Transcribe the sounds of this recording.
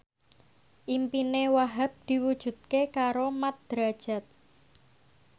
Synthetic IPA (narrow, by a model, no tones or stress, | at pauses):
ʔimpinewaɦap̚d̪̥i̤wud̥ʒ̥ṳt̪̚kekaɾomat̪̚d̪̥ɾa̤d̥ʒ̥a̤t̪̚